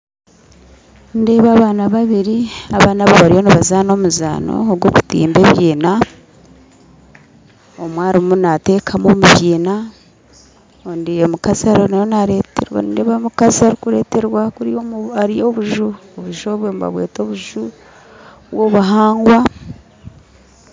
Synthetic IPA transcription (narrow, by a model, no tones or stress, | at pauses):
nde̞ːβaːβaːnaβaβiɾiaβaːnaβoβaɾijo̞niβazaːno̞muza̰ːno̰oɡwoku̥tḭːmbeβjiːna | omwaːɾimunate̞ːkʰamomuβɟiːna | ondijemukasaɾononaɾeteɾwa̰ndeːβamukasaɾikuɾeːte̞ɾwakuɾaɾijo̞ːβuʒuoβuʒoβwemβa̰βwe̞̰ːto̞ːβuʒu | βwoːβuɦaːŋɡwa